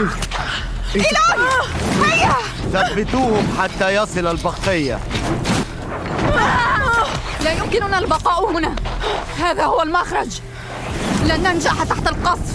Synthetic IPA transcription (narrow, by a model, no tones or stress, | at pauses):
ɪla | ħajːa | θabbːɪt̪uːhʊmħat̪ːajɑsˤɨlalbɑqːɪjːa̰ | lajʊmkɪnʊnalbɑqɑːʔhʊnahaːðahʊwːalmaxɾˤɑd͡ʒ | lɪʔanːand͡ʒaʔħat̪ːaħt̪alqɑsˤ